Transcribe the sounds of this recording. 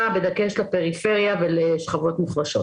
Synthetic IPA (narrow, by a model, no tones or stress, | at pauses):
abe̞d̪akeʃlape̞ʁife̞ʁjaveleʃχavo̞t̪meχbaʃo̞